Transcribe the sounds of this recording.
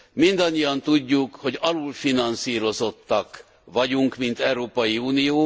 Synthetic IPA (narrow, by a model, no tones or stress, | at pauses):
mind̪ɒɲːijɒnt̪uɟːukho̞ɟɒlulfinɒnsiːɾo̞zo̞t̪ːɒk | ʋɒɟuŋkmint̪ɛwɾoːpɒjiuːnijoː